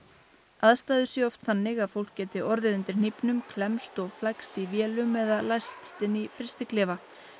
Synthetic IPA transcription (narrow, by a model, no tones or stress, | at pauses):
aðst̪aːjðʏsjɛɔft̪θanːɪɣaðfowl̥kcːɛːt̪ɪɔɾðɪðʏnt̪ɪɾ̥n̥ipnʏmkʰlɛmst̪ɔɣflakst̪ivjɛːlʏmɛðalajst̪st̪ɪnifɾɪst̪ɪklɪːva